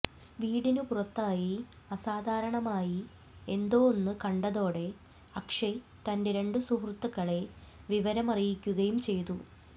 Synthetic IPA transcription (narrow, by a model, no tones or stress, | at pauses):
ʋiːɽinupurɐt̪ːaːji | ɐsaːd̪ʱaːɾɐɳɐmaːji | e̞nd̪o̞ːonːɨkɐɳɖɐðo̞ːɽe̞ | ɐkʂe | t̪ɐnde̞ɾe̞ɳɖɨsuɦrt̪ːɐkːɐɭe̞ʋiʋɐɾɐmɐrijikʲːuɣɐjumt͡ɕe̞jt̪u